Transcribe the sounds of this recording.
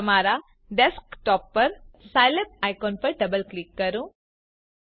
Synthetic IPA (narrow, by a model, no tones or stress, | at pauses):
əmaɾa | ɖeskʈɔːpːɐɾsajlep̚ajkoːnpɐɾɖɐbəlklikːəɾũ